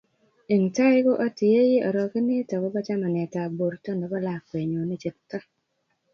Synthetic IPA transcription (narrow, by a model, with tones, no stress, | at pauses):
e˨ŋta˦ɪ˦ɡo˦ʔɔ˦tɪ˨e˦je˦ɔ˨ɾɔ˨knɪ˦tɔ˨kɔ˦ba˦t͡ʃa˦ma˨nɛ˨ta˨bo˨ɾtɔ˦ndɔ˨bɔ˦la˨kwe˨ɲo˨ni˦t͡ʃe˨tːɔ˦